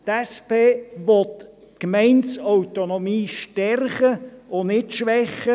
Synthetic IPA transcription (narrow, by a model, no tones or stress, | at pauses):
t̪ɛspeːʋɔt̪ | kmɛɪntsawt̪onomiːʃtɛrχəʊnɪtʃʋɛχːə